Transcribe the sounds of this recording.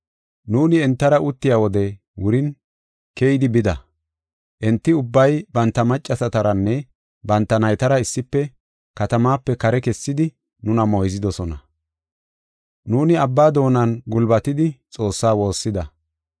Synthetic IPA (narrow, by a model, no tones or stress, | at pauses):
nuːnɪɛnt̪ːɐɾɐʊt̪ːɪjaːwɔd̪ɛ | wʊɾɪn | kɛjɪd̪ɪbɪd̪ɐ | ʔɛnt̪ːɪʊbːɐjbɐnt̪ːɐmɐt͡ʃʼːɐsɐt̪ɐɾɐnːɛ | bɐnt̪ːɐnɐjt̪ɐɾɐɪsːɪpːɛ | kɐt̪ɐmaːpːɛkɐɾɛkɛsːɪd̪ɪ | nʊnɐmɔjzɪd̪ɔsɔnɐ | nuːnɪɐbːaːd̪o̞ːnɐnɡʊlbɐt̪ɪd̪ɪt͡sʼo̞ːsːaːwo̞ːsːɪd̪ɐ